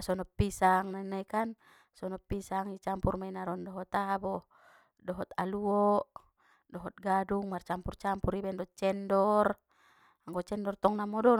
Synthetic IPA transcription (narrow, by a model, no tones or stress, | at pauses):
sɔnɔpːisaŋnanaikan | sɔnɔpːisaŋit͡ʃampurmainaɾɔndɔɦɔt̪abɔ | dɔɦɔt̪aluɔʔ | dɔɦɔt̪̚ɡaduŋmart͡ʃampurt͡ʃampuɾibɛndɔt͡ʃɛndɔr | aŋɡɔt͡ʃɛndɔrt̪ɔŋnamɔdɔ